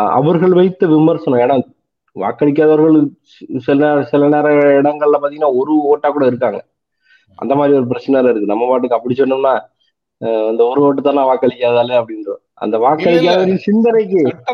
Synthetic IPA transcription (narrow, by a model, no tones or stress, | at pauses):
ɐ̰ʋɐɾɣɐɭʋɐɪt̪ːɐʋɪmɐɾsɐnõeːnaː | ʋa̰ːkːɐɭɪk̬ːaːðɐʋɐɾɣɐɭɯ | sɪlːɾɐsɪlɐneːɾɐɪɽɐŋɡɐɭɪlɐpːaːt̪ːiŋɡɐnaːɔɾɯoːʈːaːkuːɽɐɪɾɯkːaːŋɡɐ | ʔɐ̰nd̪ɐmaːd̪ɾiɔɾɯp̬ɪɾɐt͡ʃːɐnaːlɐɪɾɯkːɯnɐmːɐʋaːʈːɯkːɯɐpːɐɽit͡ʃːɔnːɯmnːaː | ɐnd̪ɐɔɾɯoːʈːɯt̪ːãːnãːʋaːkːɐɭɪkʲːaːðaːleɐpːɐɽɪnɾɯ̃ | ʔɐ̰nd̪ɐʋaːkːɐɭɪk̬ʲːaːðɐʋɐɾkːɯsɪnd̪ɐnɐɪk̬ːɯ